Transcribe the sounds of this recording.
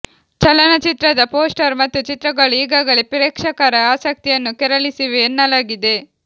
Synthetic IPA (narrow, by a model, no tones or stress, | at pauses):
t͡ʃɐlɐnɐt͡ʃit̪ɾɐd̪ɐpo̞ːsʈɐɾmɐt̪ːut͡ʃit̪ɾɐɡɐɭuiːɡaːɡɐɭepiɾeːkʂɐkaːɾɐaːsɐk̚t̪ijɐnːukɛɾɐɭisiʋeːnːɐlaːɡid̪e̞